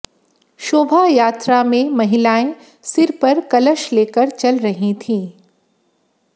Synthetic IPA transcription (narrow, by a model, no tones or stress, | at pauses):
ʃoːbʱajaːt̪ɾamẽmɐɦɪlaːẽ | sɪɾpɐɾkɐləʃleːkəɾt͡ʃɐlɾɐɦĩt̪ʰĩː